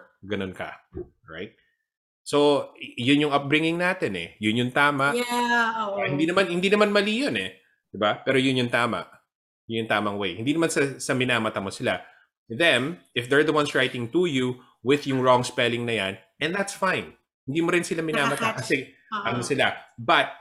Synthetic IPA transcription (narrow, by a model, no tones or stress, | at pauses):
ɡɐnonkɐ̰ | ɹa̰jt̪̚ | sojʊnjʊŋɐp̚bɾɪŋɪŋnaːt̪ɛnɛ̰jʊnjʊŋt̪aːmɐʔ | hɪnd̪inɐmanhɪnd̪iːnɐmanmɐlijonɛ | d̪̥ɪbapɛːɾojʊnjʊŋt̪aːmɐ̰ʔ | jʊnjʊŋt̪aːmɐŋwejhɪnd̪iːnɐmansɐsɐmɪnaːmɐt̪ɐmosɪla̰ | ðɛmɪfd̪ɛɹd̪ɐwɐnsɹajt̪ɪŋt̪uju | wɪðjʊŋɹɔŋspɛlɪŋnɐjan | ʔɛnðat̪sfãɪn | hɪnd̪iːmoɾɪnsɪlamɪnaːmɐt̪akɐsɛ | ʔɐnosɪlabɐt̪̚